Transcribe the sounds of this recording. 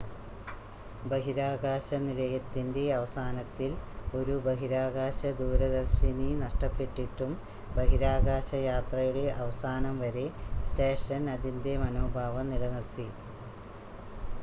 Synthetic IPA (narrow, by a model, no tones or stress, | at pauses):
bɐɦiɾaːɣaːɕɐnilɐjɐt̪ːinde̞ɐʋɐsaːnɐt̪ːilo̞ɾubɐɦiɾaːɣaːɕɐd̪uːɾɐðɐrɕininɐʂʈɐpːeʈːiʈːum | bɐɦiɾaːɣaːɕɐjaːt̪rɐjuɽe̞ʔɐʋɐsaːnɐmʋɐɾe̞sʈeːʂɐnɐðinde̞mɐno̞ːbʱaːʋɐnilɐnirt̪i